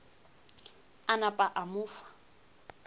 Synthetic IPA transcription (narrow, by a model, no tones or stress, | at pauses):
anapʼaʔamʊːfḁ